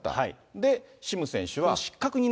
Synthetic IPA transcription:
t̪ːa̰a | d̪e̞ɕimɯ̟sẽ̞ɕɨβaɕi̥kːakɯ̟ɲ̟in

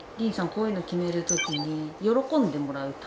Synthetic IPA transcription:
ɾʲĩɰ̃sãŋkoːĩnokʲime̞ɾɯ̟t̪o̞kʲiɲ̟ijo̞ɾo̞kõ̞nd̪e̞mo̞ɾaɯ̟t̪

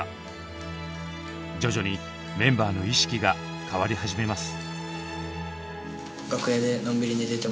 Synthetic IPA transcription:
d͡ʑo̞ʑo̞ɲ̟i | mẽ̞mbaːno̞iɕi̥kʲiɡa | kaβaɾʲiɦaʑime̞masɨ̥ | ɡakɯ̟eːd̪e̞nõ̞mbʲiɾʲiɲid̪eit̪e

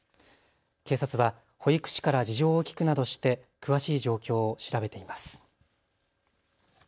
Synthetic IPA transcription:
ke̞ːsat͡sɨβa | ho̞ikɯ̥ɕi̥kaɾad͡ʑiʑo̞ːkʲi̥kɯ̟nad̪o̞ɕi̥t̪e̞ | kɯ̟βaɕiːʑo̞ːkʲo̞ːɕiɾabe̞t̪e̞imasɨ̥

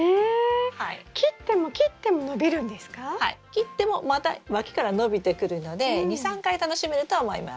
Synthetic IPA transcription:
ehaikʲit̪ːe̞mo̞kʲit̪ːe̞mo̞no̞bʲiɾɯ̟̃nd̪esɨ̥kahaḭkʲit̪ːe̞mo̞mat̪a̰βakʲi̥kaɾano̞bʲit̪e̞kɯ̟ɾɯ̟no̞d̪e̞ɲ̟isãŋkait̪ano̞ɕime̞ɾɯ̟t̪o̞ːmo̞̰ḭma̰s

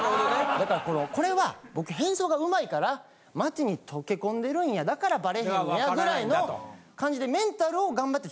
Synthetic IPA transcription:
d̪akaɾako̞noko̞ɾe̞βabo̞kɯ̟ɦẽ̞ɰ̃so̞ːɡaɯ̟maikaɾa | mat͡ɕiɲ̟it̪ʰo̞ke̞kõ̞nd̪e̞ɾɯ̟ĩjad̪akaɾabaɾe̞hẽjaɡɯ̟ɾainokãɲ̟d͡ʑid̪e̞mẽ̞nt̪aɾɯ̟o̞ɡãmbat̪ːe

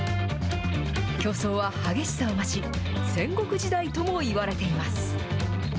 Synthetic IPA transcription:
kʲo̞ːso̞ːβahaɡe̞ɕi̥saomat͡ɕi | sẽ̞ŋɡo̞kɯ̟ʑid̪ait̪o̞mo̞iβaɾe̞t̪e̞imasɨ̥

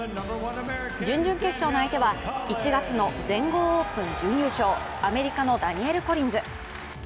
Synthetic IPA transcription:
d͡ʑɨ̃ɲ̟d͡ʑɨ̃ŋke̞ɕːoːnoait̪eβait͡ɕiɡat͡sɨno̞d͡zẽ̞ŋɡo̞ːoːpɯ̟̃ɲ̟d͡ʑɨ̃ɰ̃jɯːɕo̞ː | ame̞ɾʲikano̞d̪aɲ̟ie̞ɾɯ̟ko̞ɾʲĩnd͡zɨ

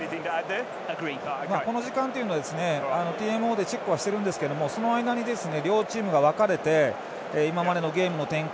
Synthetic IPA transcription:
iθɪ̃ŋd̪ɪ | əɡɹi̥mako̞no̞ʑikãnt̪e̞iɯnad̪esɨne̞ano̞t̪ʲiːe̞mɯ̟o̞ːd̪e̞t͡ɕe̞kːɯ̟βaɕi̥t̪e̞ɾɯ̟̃nd̪esɨ̥ked̪omo̞so̞no̞aid̪aɲ̟id̪e̞sɨne̞ɾʲo̞ːt͡ɕiːmɯ̟ɡaβ̞akaɾe̞t̪e̞ː | imamaɾe̞no̞ɡe̞ːmɯ̟no̞t̪ẽ̞ŋk

